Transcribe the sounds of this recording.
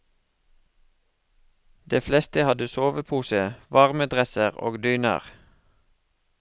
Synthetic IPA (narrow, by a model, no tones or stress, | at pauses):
d̪̥eːflɛst̪əhɑd̪əsoːʋəpʰuːsəʋɑʁməd̪ʁɛsəʁo̰ːɡd̪yːnə̰ʁ